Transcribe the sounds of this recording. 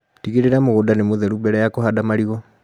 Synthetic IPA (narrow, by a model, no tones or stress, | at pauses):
tiɣiɾeɾamoɣodanemoðɛɾubɛɾɛjakohadamaɾiɣɔ